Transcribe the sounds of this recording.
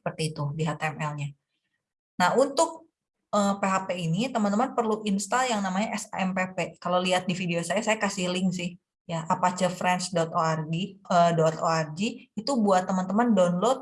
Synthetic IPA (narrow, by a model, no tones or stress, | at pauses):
əpərt̪iːt̪udiɦat̪aɛmɛlɲa | nahunt̪ʊk̚ | əpeɦapeinit̪əmant̪əmənpərluʔinst̪ajaŋnamaɲaʔɛsa̰ɛmpepekalawliɦat̪̚difideosajasajakasihlɪŋsɪh | jaʔapat͡ʃəfɾɛnt͡ʃdɔt̪oarɡiədɔt̪oard͡ʒiːt̪ubuat̪ːəmənt̪əməndɔnlɔt̪̚